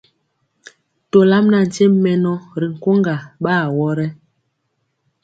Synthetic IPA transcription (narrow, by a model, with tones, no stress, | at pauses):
to˨la˦mna˨n̩˨t͡ʃe˦m˦mɛ˨nɔ˦ɾi˨ŋ̩˨ko˦ŋɡa˨ɓaː˦˨wɔ˦ɾɛ˦